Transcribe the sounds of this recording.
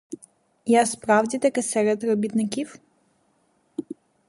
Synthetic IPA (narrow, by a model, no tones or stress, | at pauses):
jaspɾɑwdʲit̪ɐkɛsɛɾɛt̪ɾɔbʲit̪nɪkʲiw